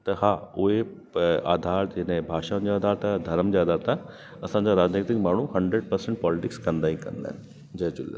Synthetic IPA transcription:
t̪ɐhaʊɦe | aːd̪ʱaːɾd͡ʑenɛ̃bʱaːʃaʊ̃nd͡ʑiaːd̪ʱaːɾt̪ad̪ʱɐɾəmd͡ʑiaːd̪ʱaːɾt̪ʰa | ɐsãɲd͡ʑaɾaːd͡ʑnet̪ɪkmaːɳ̤ũhɐ̃ɳɖɾeɖ̚pɐɾsẽɳʈ̚pɔːlɪʈɪkskɐ̃nd̪aːɦĩkɐ̰̃nd̪a̰ː | d͡ʑɐt͡ɕʊl̰ː

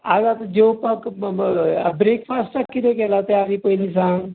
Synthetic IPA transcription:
aɡat̪ad͡ʑeʋpək | bɾeːkfasʈakːit̪ʰekɛlat̪eadipəɦilis̬ãŋɡ

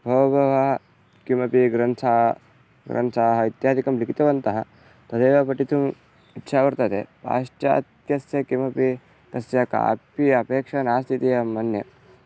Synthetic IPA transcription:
bʱoːʋɐbʱɐʋɐɐ | kimɐpiɡɾɐnt̪ʰaː | ɡɾɐ̰ntʰaːɦɐit̪jaːd̪ikɐmlikit̪ɐʋɐnt̪ɐɦɐ | t̪ɐd̪eːʋɐpɐʈit̪um | itːʃaːʋɐɾt̪ɐt̪ḛpa̰ːʂʈja̰ːt̪jɐsjɐkimɐpi | t̪ɐsjɐka̰ːpiɐpeːkʂɐnaːst̪ʰit̪ijɐmːɐnjɐ̰

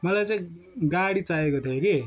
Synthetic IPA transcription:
mʌlajt͡saĩ | ɡaɽit͡saekot̪ʰjoke

